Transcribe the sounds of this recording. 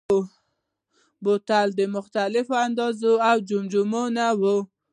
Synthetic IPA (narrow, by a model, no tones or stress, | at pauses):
bot̪ald̪əmʊxt̪alɪfoand̪ɑzoawd͡ʒumd͡ʒumonawu